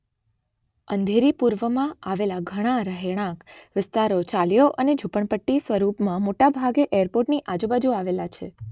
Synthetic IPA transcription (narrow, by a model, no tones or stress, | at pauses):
ənd̪ʱeɾipuɾʋəmãaʋelaɡʱəɽ̃aɾəɦeɽ̃ãkʋɪst̪aɾot͡ʃaljoʔəned͡ʒʱupəɳpəʈːisʋəɾupmãmoʈabʱaɡeʔejəɾpoɾʈniʔad͡ʒũbad͡ʒuaʋelat͡ʃʰḛ